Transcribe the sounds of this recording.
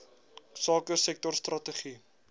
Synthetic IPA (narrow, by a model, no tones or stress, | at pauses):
sɑːkərsɛk̚tɔrstrɐtəχi